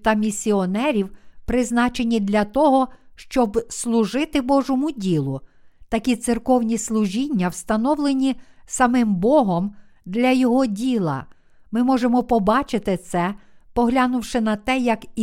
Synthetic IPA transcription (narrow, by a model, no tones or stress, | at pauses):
t̪ɐmʲisʲiɔnɛɾʲiwpɾɪznɑt͡ʃenʲid̪lʲɐt̪ɔɦɔʃt͡ʃɔbslˠʊʒɪt̪ɪbɔʒɔmʊdʲilˠʊt̪ɐkʲit̪sɪrkɔwnʲislˠʊʒʲinʲːɐwst̪ɐnɔwlˠenʲisɐmɪmbɔɦɔm | d̪lʲɐjɔɦɔdʲilˠɐ̰ | mɪmɔʒemɔpɔbɑt͡ʃɪt̪ɪt̪sɛpɔɦlʲɑnʊwʃɪnɐt̪ɛjɐk